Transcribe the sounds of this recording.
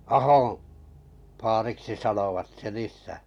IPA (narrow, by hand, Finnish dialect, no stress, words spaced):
ɑhõː fɑːriksi sɑnoʋɑt sen isˑæˑ